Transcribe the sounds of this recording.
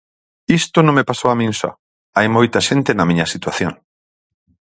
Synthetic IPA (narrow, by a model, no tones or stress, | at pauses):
ist̪onõŋmepasoamĩnsa̰ | ajmojt̪ɐʃent̪enɐmĩɲɐsit̪waθjoŋ